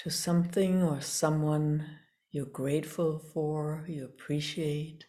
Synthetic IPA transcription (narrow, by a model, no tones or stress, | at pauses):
tʰɨsʌ̃mθɪ̃ŋə˞sʌ̃mwʌ̃n | jə˞ɡɹeɪtfl̩ˠfə˞jɨəpʰɹ̥iʃieɪt̚